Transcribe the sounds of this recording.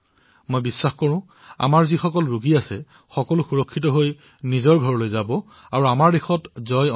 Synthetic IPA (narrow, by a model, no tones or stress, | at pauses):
mojbisːaxkɔɹʊ̃ | a̰maɹzixɔkɔlɹuɡiasɛ | xɔkɔlʊxuɹɔkʰːit̬ɔɦoj | nizɔɹɡʱɔɹlojzabɔ | aɹuamaɹdexɔtzɔj